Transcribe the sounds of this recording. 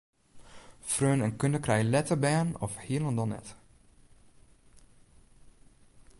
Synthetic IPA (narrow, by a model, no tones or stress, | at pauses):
frøːnənkøndəkrɛjlɛtəbɛːnɔ̰fhiəlˠəndɔnɛ̰t